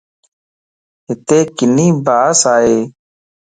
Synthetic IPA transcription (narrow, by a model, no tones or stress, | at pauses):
ɦɪt̪eːkɪniːbaːsaːɦeː